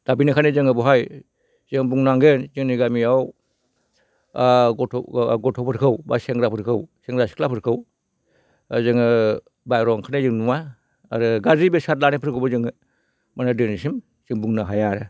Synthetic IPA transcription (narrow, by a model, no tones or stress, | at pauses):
d̥abinikʰanezɯŋɯbɔɦaj | z̥ɯŋbuŋnaŋɡenzɯŋniɡamiaw | ɔɡɔtʰɔpʰɯɾkʰɯwbaseŋɾapʰɯɾkʰɯwseŋɾasi̥klapʰɯɾkʰɯw | zɯŋɯ | bajɾɔŋkʰanezɯŋnuwa̰ː | ɾɯɡazibesat̚lanepʰɯɾkʰɯbɯzɯŋɯ | manadɯnisim | z̥ɯŋbuŋnaɦajaɾɯ